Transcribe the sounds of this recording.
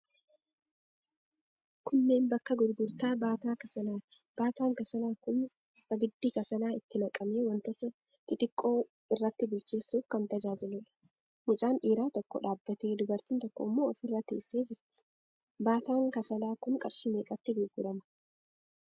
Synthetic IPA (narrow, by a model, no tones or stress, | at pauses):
kʊnːe̞ːnbɐkːɐɡʊdɡʊɾt̪aːbaːt̪aːkɐsɐlaːt̪ɪ̥b̥aːt̪aːŋkɐsɐlaːkʊn | bɐbɪd̪ːiːkɐsɐnaːɪt̪ːɪnɐkʼɐmeːwɐnt̪ɔfɐ | t̪ɪt̪ʼɪkʼːo̞ː | ɪrːɐt̪ːɪbɪlt͡ʃɪlsuːfkɐnt̪ɐd͡ʒaːd͡ʒɪlʊᶑɐ̥ | mʊt͡ʃʼaːnʔiːɾaːt̪ɔkːɔ̰ᶑaːbːɐt̪e̞ːd̪ʊbɐɾt̪iːnt̪ɔkːɔ̰ɪmːo̞ːɔfɪrːɐt̪ḛːsːe̞ːd͡ʒɪɾt̪ɪ̥ | baːt̪aːŋkɐsɐlaːkʊŋkʼɐɾʃɪmeːkːɐt̪ːɪɡʊɾɡʊɾɐmɐ̥